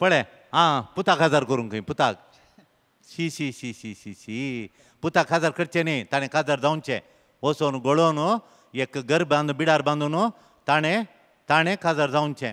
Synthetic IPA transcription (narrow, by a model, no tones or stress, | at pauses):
pəɭe | ɦãput̪akɦad͡zaɾkoɾunkəĩput̪ak | ɕiɕiɕiɕiɕiɕi | put̪akɦad͡zaɾkəɽt͡ʃenit̪aɽ̃ẽkʰad͡zaɾd͡zaunt͡ʃʰḛ̃ | osonuɡoɭonu | ekɡəɾbbãnd̪ubiɽaɾbãnd̪onu | t̪añe | t̪añẽkʰad͡zaɾd͡zaunt͡ʃʰẽ